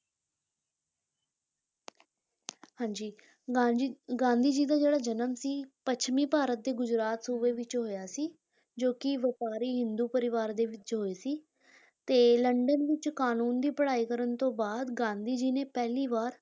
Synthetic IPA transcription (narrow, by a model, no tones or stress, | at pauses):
hãːɲd͡ʒiː | ɡãːnd̪iːd͡ʒiːd̪aːd͡ʒeːɽaːd͡ʒənəmsiːpət͡ʃʰmĩːpaːɾət̪̚d̪eːɡʊd͡ʒɾaːt̪suːʋeːʋɪt͡ʃɦoːjaːsiː | d͡ʒoːkɪʋəpaːɾiːɦɪnd̪uːpəɾɪʋaːɾd̪eːʋɪt͡ʃɦoːeːsiː | t̪eːləɳɖənʋɪt͡ʃkaːnuːnd̪iːpəɽaːiːkəɾənt̪õːbaːd̪ɡãːnd̪iːd͡ʒiːneːpɛːliːʋaːɾ